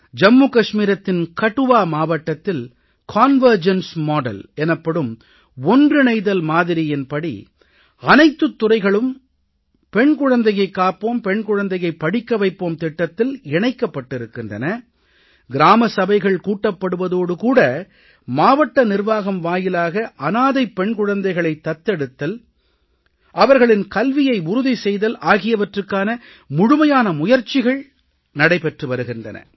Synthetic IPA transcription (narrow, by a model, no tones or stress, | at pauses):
d͡ʒɐmːuːkɐʂmiːɾɐt̪ːɪnkɐʈːɯʋaːmaːʋɐʈːɐt̪ːɪl | kʰaːnʋɐɾd͡ʒɐnsmoːɽɐ̰lɛnɐpːɐɽɯm | ɔndrɯnɐɪðɐlmaːðɪɾɪjɪnpɐɽḭ | ɐnɐɪt̪ːɯt̪ːʊrɐɪɣɐɭɯm | pɛɳkʊɻɐnd̪ɐjɐɪkːaːpoːmpɛɳkʊɻɐnd̪ɐjɐɪpːɐɽɪkːɐʋɐɪpːoːmt̪ɪʈːɐt̪ːɪlɪɳɐɪkːɐpːɐʈːɪɾɯkːɪndrɐnɐ | ɡɪɾaːmɐsɐbɐɪɣɐɭkuːʈːɐpːɐɽɯʋɐðoːɽɯkuːɽɐ | maːʋɐʈːɐnɪɾʋaːɣɐmʋaːjɪlaːɣɐʔɐnaːðɐɪpːɛɳkʊɻɐnd̪ɐɪɣɐɭɐɪt̪ːɐt̪ːɛɽɯt̪ːɐl | ʔɐʋɐɾɣɐɭɪnkɐlʋɪjɐɪʊɾʊðisɛjðɐlʔaːɣɪjɐʋɐʈrɯkːaːnɐ | mʊɻʊmɐjaːnɐmʊjɐɾt͡ʃɪɣɐɭ | nɐɽɐɪpɛʈrɯʋɐɾɯɣɪndrɐ̰nɐ̰